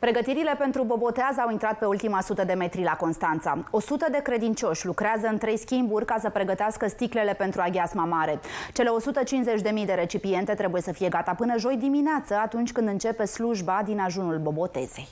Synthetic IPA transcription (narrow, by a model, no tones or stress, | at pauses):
pɾe̞ɡət̪iɾile̞pe̞nt̪ɾubo̞bo̞t̪eazawint̪ɾat̪̚pe̞ult̪imasut̪əd̪e̞me̞t̪ɾilako̞nst̪ant̪sa̰o̞sut̪əd̪e̞kɾe̞d̪int͡ʃo̞ʃʲlukɾeazəɨnt̪ɾe̞jskʲimburʲkasəpɾe̞ɡət̪easkəst̪ikle̞le̞pe̞nt̪ɾuaɡʲazmamaɾe̞t͡ʃe̞le̞o̞sut̪ət͡ʃinze̞t͡ʃʲd̪e̞mijd̪e̞ɾe̞t͡ʃipie̞nt̪e̞t̪ɾe̞bujesəfije̞ɡat̪apɨnəʒo̞jd̪imineat̪səat̪unt͡ʃʲkɨnd̪ɨnt͡ʃe̞pe̞sluʒbad̪inaʒunulbo̞bo̞t̪e̞̰z̥e̞j